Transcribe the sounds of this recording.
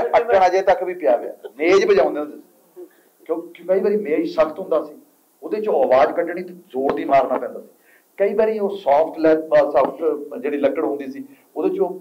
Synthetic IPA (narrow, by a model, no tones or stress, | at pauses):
əkːnãːd͡ʒeet̪əkbiːpɪjaːɡəa̰ːmeːd͡ʒbəd͡ʒãːnd̪eːõnd̪eːsi̥ | kjõːkkəiːbaːɾiːmẽːiːsəkʰt̪ɦʊ̃nd̪aːsiː | ʊd̪eːt͡ʃoːəʋaːd͡ʒkəʈɳiːt̪ezoːɾd̪iːmaːɾnaːpɛ̃ːnd̪aːsi̥ː | kəiːbaːɾiːoːsaːpʰʈʰlɛːpːsəpʰt̪d͡ʒeːɽiːləkːəɽɦʊ̃ːnd̪iːsiː | od̪eːt͡ʃoː